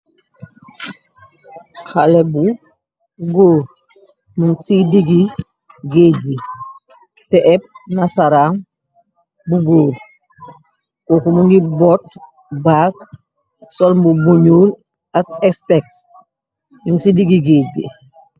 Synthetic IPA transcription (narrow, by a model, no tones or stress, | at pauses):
xalɛbu | ɡoːɾ | muŋsidiɡi | ɡeːbi | tɛʔɛp̚nasaɾaŋ | buɡoːɾ | koːkumuŋɡibɔt | baːk | sɔlmbubuɲuːl | ak̚ɛkspɛk̚s | juŋsidiɡiɡeːbḭ